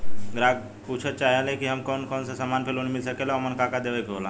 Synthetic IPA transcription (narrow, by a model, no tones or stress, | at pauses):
ɡɾaːɡ̚ | puːt͡ʃʰət̪̚t͡ʃaːɦelekiɦɐmkɔːnkɔːnsasamaːnpʰelonimɪls̬əkeleɔmənkakad̪eːʋekoːlãː